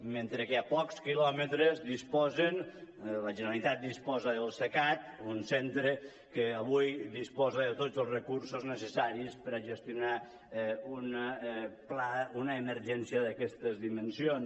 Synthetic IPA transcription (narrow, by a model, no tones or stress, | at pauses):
ment̪ɾəkeapɔkskilɔmət̪ɾəzðispɔzənləʒənəɾalit̪at̪̚d̪ispɔzəðəlˠsəkat̪̚unsɛnt̪ɾə | kəːβujðispɔzəðət̪od͡zəlˠzrəkuɾsoznəsəsaɾispəɾəʒəst̪iuna | un | plaunəːməɾʒɛnsiəðəkɛst̪əzðimənsion